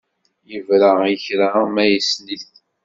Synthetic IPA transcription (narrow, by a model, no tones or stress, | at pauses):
jəvɾaiçɾamæjəsliθ